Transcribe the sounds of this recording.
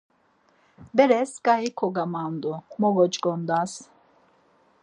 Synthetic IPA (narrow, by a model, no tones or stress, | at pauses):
bɛɾɛsɡajikʰɔɡamand̪umɔɡɔt͡ʃɡɔnd̪as